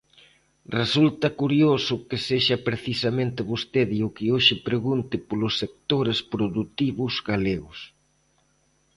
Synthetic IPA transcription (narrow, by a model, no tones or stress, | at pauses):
result̪ɐkuɾjosʊkeseʃɐpɾeθisamẽnt̪ɪβost̪eðiʊkɪoʃɪpɾeɣunt̪ɪpolʊsːek̚t̪oɾespɾoðut̪iβʊzɣaleɣʊs